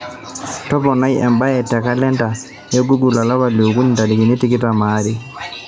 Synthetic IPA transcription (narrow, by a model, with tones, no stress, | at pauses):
tɔ˦pɔ˨na˦jɛ̰˨mba˦jɛ˨tɛ˨ka˦lɛ˦nta˨ | jɛ˦ɡu˦ɡu˨la˨la˦ba˨le˨u˨ku˦ni˨nta˨di˨ki˨ni˦ti˦ki˦ta˨ma˦ɾi